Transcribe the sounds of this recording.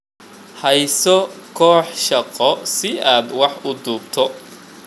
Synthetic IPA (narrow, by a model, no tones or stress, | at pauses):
hɐjsɔkʰɔːħʃɐqɔsɪaːd̪wɑħʊd̪uːbt̪ʰɔ